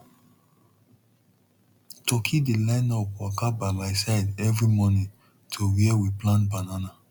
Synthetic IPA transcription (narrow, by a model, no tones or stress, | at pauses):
tɔkʰidelãɪ̃nɔpwakabamaɪsaɪdɛvɹimɔnĩ | tʰowiɛwiplãntbanana